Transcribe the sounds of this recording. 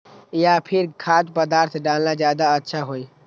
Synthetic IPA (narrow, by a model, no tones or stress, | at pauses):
japʰɪɾkʰaːt̪pəd̪aːɾt̪ʰɖaːlnazjaːd̪aətːʃʰaɦoːi